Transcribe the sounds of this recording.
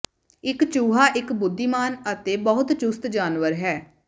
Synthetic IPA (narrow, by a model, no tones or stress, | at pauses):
ɪkt͡ʃuːɦaːʔɪkbʊd̪ːiːmaːnət̪eːbəɦʊt̪t͡ʃʊst̪d͡ʒaːnʋəɾɦɛː